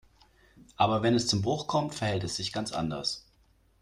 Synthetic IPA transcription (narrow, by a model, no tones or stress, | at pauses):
ʔaːbɐvɛnɛst͡sʊmbʁʊχkʰɔmtfɛɐhɛltɛsz̥ɪçɡ̥ant͡sʔa̰ndɐ̰s